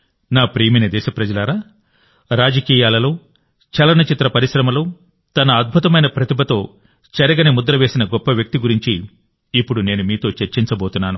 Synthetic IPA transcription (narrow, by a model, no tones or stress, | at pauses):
naːpɾiːminid̪ɛːʃɐpɾɐd͡ʒɐlaːɾaː | ɾaːd͡ʒɐkiːjaːlɐloː | t͡ʃɐlɐnɐt͡ʃit̪ɾɐpɐɾiʃɾɐmɐloː | t̪ɐnɐːd̪̚bʱut̪ɐmɐjnɐpɾɐt̪ibʱɐt̪o̞ː | t͡ʃɐɾɐɡɐnimud̪ɾɐʋe̞ːsinɐɡɔpːɐʋjɐk̚t̪iɡuɾiɲt͡ʃiː | pːuɽune̞ːnumiːt̪o̞ːt͡ʃeɾt͡ʃiɲt͡ʃɐboːt̪unːaːnu